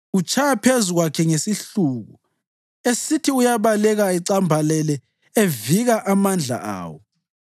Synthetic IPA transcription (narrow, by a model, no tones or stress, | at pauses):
ut͡ʃʰʼajapʰezuɣwakʰɛŋesiɬuːɣṵ | esitʰiujaβalɛɣaiǀambʱalɛlɛ | eviɣaʔamand͡ɮʱa̰a̰ːwɔ